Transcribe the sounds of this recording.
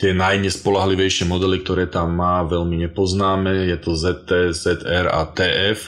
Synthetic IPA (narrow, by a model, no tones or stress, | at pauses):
t̪ɪɛnajɲɛspɔlaɦliʋɛjʃɪɛmɔd̪ɛlik̚t̪ɔɾɛːt̪amːaːʋɛlmiɲɛpɔznaːmɛjɛt̪ɔzɛt̪ːɛːzɛd̪ɛɾa̰t̪ɛːʔɛf